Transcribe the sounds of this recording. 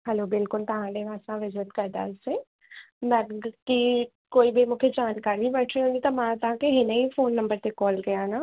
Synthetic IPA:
hɛloːbɪlkʊlt̪ɐɦãːleʋaːsãʋɪzɾət̪kɐɾd̪a̰ːse | mɛ̃ki | koːibʱemʊkʰjed͡ʒaːnkaːɾibəʈʰɾiɦõnd̪it̪ɐmãːt̪ɦãkeɦɪnəifʰoːnːɐ̃mbəɾt̪ekɔːlɡɐjanaː

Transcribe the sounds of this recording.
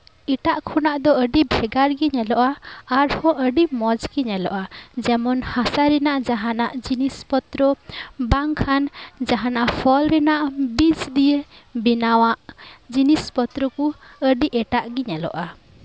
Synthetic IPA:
iʈaʔkʰɔnaʔd̪ɔəɖibʱɛɡaɾɡiɲɛlɔʔaːɾhɔ̃ʔəɖimɔd͡ʒɡiɲɛlɔʔad͡ʒɛmɔnhasaɾɛnaʔd͡ʒaɦanaʔd͡ʒinispɔt̪ɾəbaŋkʰand͡ʒaɦanaʔpʰɔlɾɛnaʔbid͡ʒd̪ijebinawaʔd͡ʒinispɔt̪ɾɔkuəɖiʔɛʈaʔɡiɲɛlɔ̰ʔa

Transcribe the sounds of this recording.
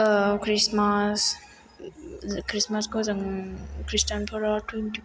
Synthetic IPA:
kʰɾismas | kɾismaskʰozɐŋkɾisʈanpʰɔɾatwenti

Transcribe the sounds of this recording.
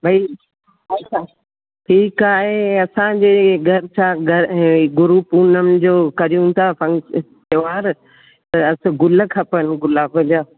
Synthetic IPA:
bʱɐi | ɐt͡ɕʰaː | ʈʰiːkaːɦeɐsãd͡ʑeːɡʱɐɾɪt͡ɕʰaːɡʱɐɾ̃ɡʊɾupuːnəmd͡ʑoːkɐɾijũt̪ʰaːfɐ̃ŋst̪eʋaːɾ | t̪ɐɐs̆ɡʊlə̆kʰapənɡʊlaːbɐd͡ʑaː

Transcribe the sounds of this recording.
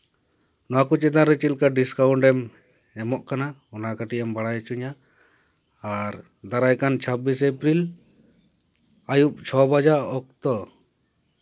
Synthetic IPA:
nɔwakut͡ʃɛt̪aɾɛt͡ʃilkaɖiskawɳʈɛm | ɛmɔʔkanaɔnakaʈiʔambaɽajt͡ʃuɲa | ɾ | d̪aɾajkant͡ʃʰabisepɾil | ajup̚t͡ʃʰɔbad͡ʒaɔk̚t̪ɔ

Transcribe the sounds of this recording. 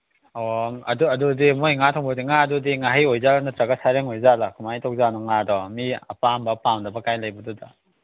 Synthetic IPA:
ɔɐ̰duɐdudimojŋatʰɔŋbɔdiŋadudiŋaɦajojzalanɐtɾaɡasaɾeŋojzalɐkʰumajtʰɔk̚zanɔŋadɔmiɐ̰pambɐpawndɐbɐkajlajbɐdudɐ

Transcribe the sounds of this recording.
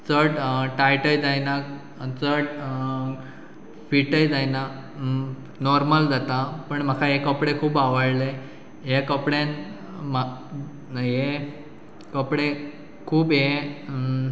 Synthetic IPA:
t͡səʈʈajʈəjd͡zajna | t͡səʈ | fiʈəjd͡zajna | nɔɾməld͡zat̪apəɳm̤əkʰaɦekəpɽekʰuːbaʋəɽle | ɦekəpɽen | ma | ɦe | kəpɽe | kʰuːbɦe

